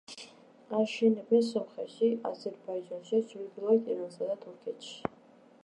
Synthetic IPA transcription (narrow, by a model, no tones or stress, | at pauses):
aʃɛnɛbɛnsɔmχɛʃia̰zɛɾbaid͡ʒanʃazuɾɡilˠaɾɛt̪ʰʼiɾansad̪at̪ʰuɾkʰɛt̪ʰʃi̥